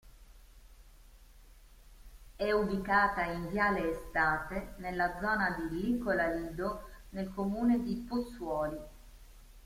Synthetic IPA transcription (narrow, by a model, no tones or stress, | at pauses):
ɛubikaːt̪aind̪jaːleːst̪aːt̪enelːad̪zːɔːnad̪ilːikolaliːd̪onelkomuːned̪iposːwɔːli